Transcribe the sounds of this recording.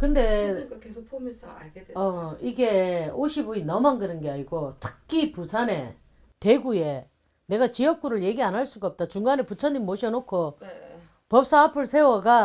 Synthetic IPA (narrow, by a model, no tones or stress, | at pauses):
kɯnde̞e | eʌiɡe̞oɕʰiboinʌmanɡɯɾɯnɡeaɲiɡotʰɯ̥k̚k͈ʰːipusʰane̞ | te̞ɡuje̞ | ne̞ɡat͡ɕijʌk̚k͈uɾɯɭje̞ɡianɦaɭs͈uɡaʌp̚t͈at͡ɕuŋɡaneput͡ɕʰʌɲimmoɕʰʌnokʰo | pʌp̚s͈aapʰɯɭsʰe̞wʌɡa